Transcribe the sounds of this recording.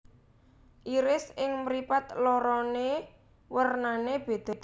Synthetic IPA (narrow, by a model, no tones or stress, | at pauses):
ʔiɾɪsɪŋmɾipat̪lɔɾɔne | wərnaneb̥e̤d̪̥ɔ̤̥